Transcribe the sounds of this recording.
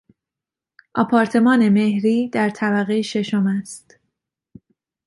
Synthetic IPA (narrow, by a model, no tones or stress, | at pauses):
ʔɒ̰ːpʰɒːɾt̪ʰe̞mɒːne̞me̞hɾiːd̪æɾt̪ʰæbæɣejʃe̞ʃomæst̪